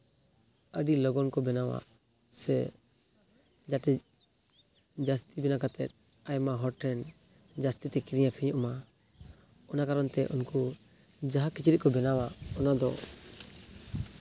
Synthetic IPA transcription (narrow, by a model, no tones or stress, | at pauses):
əɖilɔɡɔnkɔbɛnawa̰ | sɛ | d͡ʒaʈɛ | d͡ʒast̪ibɛnakat̪ɛt̪̚ | ajmaɦɔɾʈʰːɛn | d͡ʒast̪it̪ɛkiɾijapʰɛjuʔma | ɔnakaɾɔnt̪ɛʔunku | d͡ʒaɦakit͡ʃiɾiʔ̚kɔbɛnawaɔnad̪ɔ̰